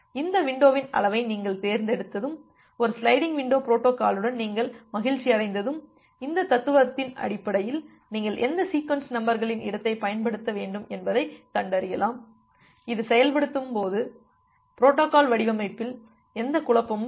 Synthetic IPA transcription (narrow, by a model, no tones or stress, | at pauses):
ɪnd̪ɐʋɪɳɖoːʋɪnɐ̰lɐʋɐɪniːŋɡɐɭt̪eːɾnd̪ɛɽɯt̪ːɐðɯm | ɔɾɯslɐɪɽɪŋɡʋɪɳɖoːpɪɾoːʈːoːkaːlɯɽɐnniːŋɡɐɭmɐɣɪɻt͡ʃːɪɐɽɐɪnd̪ɐðɯm | ɪnd̪ɐt̪ːɐt̪ːɯʋɐɐt̪ːɪnɐ̰ɽɪpːɐɽɐjɪl | niːŋɡɐɭʔɛnd̪ɐsiːkʋɐnsnɐmbɐɾɣɐɭɪnʔɪ̰ɽɐt̪ːɐɪpɐjɐnpɐɽɯt̪ːɐʋeːɳɖɯmɛnbɐðɐɪkːɐɳɖɐɾɯjɐlaːm | ɪðɯsɛjɐlpɐɽɯt̪ːɯmpoːðɯ | pɪɾoːʈːoːkaːlʋɐɽɪʋɐmɐɪpːɪl | ɛnd̪ɐkʊɭɐpːɐm